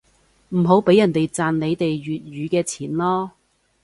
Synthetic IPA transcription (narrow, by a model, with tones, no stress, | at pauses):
m̩˨˩ɦo˨˥wpe˨˥jɐ˨˩nt̪e˨jt͡saː˨nle˨˧jt̪e˨jɥyː˨t̚jyː˨˧kɛː˧t͡sʰiː˨˩nlɔː˥